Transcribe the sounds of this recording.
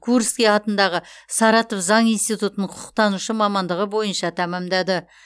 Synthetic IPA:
kʰuɾskʲejɑt̪ənd̪ɑʁəsɑɾɑt̪ofzɑɴijnst̪ijt̪ut̪ənəɴqʰʊ̥qʰə̥qt̪ɑnuʃəmɑmɑnd̪əʁəbo̞jənʃɑt̪ʰæmɑmd̪ɑd̪ə

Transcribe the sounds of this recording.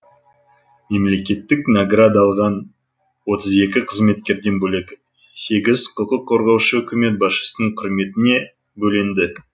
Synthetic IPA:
me̞mle̞kʲe̞t̪ːɪknaɡrad̪ɑlˠʁɑn | wo̞t̪əze̞kʲɪqʰəzme̞t̪̚kʲe̞ɾd̪e̞nbɵle̞kʲ | se̞ɡʲɪzqʰʊlqəqʰːo̞ɾʁɑwʃəɵkʲɪme̞t̪̚bɑsʃə̥sənəɴqʰʊɾme̞t̪ɪne̞ | bɵlend̪ɪ

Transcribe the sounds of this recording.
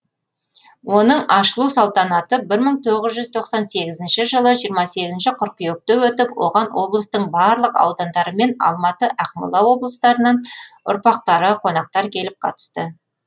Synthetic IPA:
wo̞nəɴɑʃəlˠusɑlˠt̪ɑnɑt̪əbɪɾməɴt̪ʰo̞ʁəzʒʏzt̪ʰo̞qsɑnse̞ɡʲɪzɪnʃɪʒəlˠəʒijəɾmɑse̞ɡʲɪzɪnʃɪqʰʊɾqijok̚t̪ewɵt̪ɪpwo̞̰ʁɑnwo̞blˠəst̪əɴbɑɾlˠəqɑ̰wd̪ɑnd̪ɑɾəme̞nɑ̰lˠmɑt̪əʔæqmʊ̰lˠɑwo̞blˠəst̪ɑɾənɑnʊ̰ɾpɑq̚t̪ɑɾəqʰo̞nɑq̚t̪ɑɾkʲʰe̞lɪp̚qʰɑ̰t̪ə̥st̪ə

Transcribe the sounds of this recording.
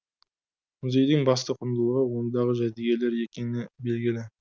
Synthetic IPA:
mʏze̞jd̪ɪŋbɑs̬t̪əqʰʊnd̪əlˠəʁəwo̞nd̪ɑʁəʒæd̪eɡʲe̞le̞ɾe̞kʲe̞nɪbe̞lɡʲɪlɪ

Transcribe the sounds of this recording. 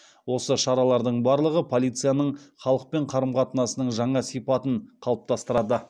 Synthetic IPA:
wo̞səʃɑɾɑlˠɑɾd̪əɴbɑɾlˠəʁəpʰolʲˠijt̪sɨjanəɴχɑlˠəq̚pe̞ɴqʰɑɾəmqɑt̪ənɑsənəɴʒɑɴɑsijpɑt̪əɴqʰɑlˠəp̚t̪ʰɑst̪əɾɑd̪ə

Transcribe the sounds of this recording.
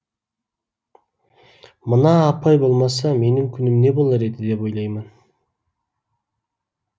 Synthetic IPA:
mənɑːpʰɑjbo̞lˠmɑsɑme̞nɪŋkʲʰʏnɪmne̞bo̞lˠɑɾe̞d̪ɪd̪e̞po̞jlˠɑjmən

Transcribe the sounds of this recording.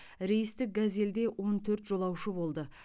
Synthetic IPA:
ɾe̞jɪst̪ɪk̚ɡaze̞ld̪e̞wʔo̞nt̪ʰɵɾt̪ʒ̥o̞lˠɑwʃəbo̞lˠd̪ə

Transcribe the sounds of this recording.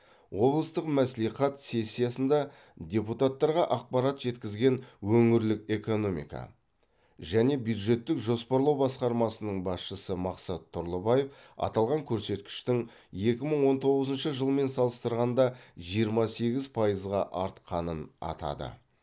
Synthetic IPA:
wo̞blˠəst̪əqmæsliχɑt̪se̞sʲːijasənd̪ɑ | d̪ʲe̞put̪at̪ːɑɾʁɑʔɑq̚pɑɾɑt̪ʒ̥e̞t̪kʲɪzɡʲe̞nwɵŋɪɾlɪke̞ko̞no̞mḭkɑ̰ | ʒæne̞bjud̪ʒe̞t̪ːɪkʒo̞spoɾlˠɑwbɑsqɑɾmɑsənəɴbɑsʃəsəmɑqsɑt̪ʰːʊɾlˠəbɑje̞fɑ̰t̪ɑlˠʁɑŋkʲʰɵɾse̞t̪kʲɪ̥ʃt̪ɪŋ | je̞kʲɪməɴwo̞nt̪ʰo̞ʁəzənʃəʒəlˠme̞nsɑlˠəst̪əɾʁɑnd̪ɑʒijəɾmɑse̞ɡʲɪzpʰɑjəzʁɑʔɑɾt̪qʰɑnənɑ̰t̪ɑ̰d̪ə̰

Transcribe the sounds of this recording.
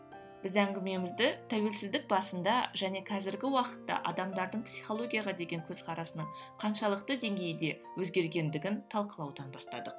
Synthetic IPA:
b̥ɪzæŋɡʲɪme̞mɪzd̪ɪt̪ʰæwe̞lsɪzd̪ɪk̚bɑsənd̪ɑʒæne̞kʲʰæzɪɾɡʲɪwɑqə̥t̪ːɑ̰ʔɑd̪ɑmd̪ɑɾd̪əɴpsiχo̞lˠo̞ɡʲijɑʁɑd̪e̞ɡʲe̞ŋkʲʰɵz̥qʰɑɾɑsənəɴqʰɑnʃɑlˠəqt̪əd̪e̞ŋɡʲe̞jd̪e̞ | wɵzɡʲe̞ɾɡʲe̞nd̪ɪɡʲɪnt̪ʰɑlˠqəlˠɑwd̪ɑnbɑst̪ɑ̰d̪əq̚

